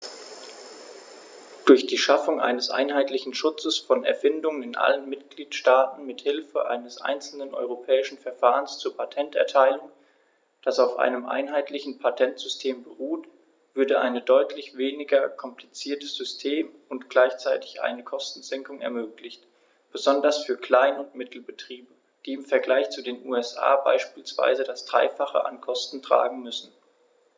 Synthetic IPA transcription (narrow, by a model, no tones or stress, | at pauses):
d̥ʊɐçd̥iːʃafʊŋʔa̰ɪnəsʔa̰ɪnɦaɪtlɪçn̩ʃʊt͡səsfɔnɛ̰ɐfɪndʊŋənɪnʔa̰lənmɪtɡ̥liːtʃtaːtn̩mɪthɪlfə̰ʔa̰ɪnəsʔa̰ɪnt͡sl̩nənʔɔ̰ʏʁopʰɛːɪʃn̩fɛɐfaːʁənst͡suːɐpʰatʰɛntɛ̰ɐtʰaɪlʊŋ | d̥asaʊfʔa̰ɪnəmʔa̰ɪnɦaɪtʰlɪçn̩pʰatʰɛntz̥ʏstʰeːmbəʁuːt | v̥ʏɐdəʔa̰ɪnədɔʏtʰlɪçv̥eːnɪɡɐkʰɔmpl̥it͡siːɐtəz̥ʏstʰeːm | ʊntɡ̥laɪçt͡saɪtɪ̥çʔa̰ɪnəkʰɔstn̩zɛŋkʊŋɛ̰ɐmøːklɪçt | b̥əzɔndɐsfyːɐkl̥aɪnʊntmɪtʰl̩bətʁ̥iːbə | d̥iːɪmfɛɐɡlaɪçt͡sudeːnʔuːɛsʔa̰ːba̰ɪʃpiːlsv̥a̰ɪzədasd̥ʁa̰ɪfaχə̰ʔa̰nkʰɔstn̩tʁ̥a̰ːɡŋ̩mʏsn̩